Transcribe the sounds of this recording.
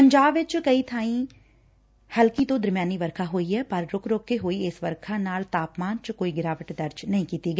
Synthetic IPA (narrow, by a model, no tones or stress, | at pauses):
pəɲd͡ʒaːbʋɪt͡ʃkəit̪ʰãːĩ | həlkit̪õːd̪əɾmjaːniːʋəɾkʰaɦoːiɛːpɐɾːʊkʰɾoːkːeɦoːiɪsʋəɾkʰaːnaːlt̪aːpmaːnt͡ʃkoːiɡɪɾaːʋəʈd̪əɾd͡ʒnɐɦĩːkiːt̪iɡɛː